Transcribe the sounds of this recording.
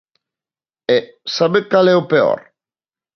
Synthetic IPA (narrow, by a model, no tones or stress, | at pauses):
ɛsaβekalɛopeɔ̰ɾ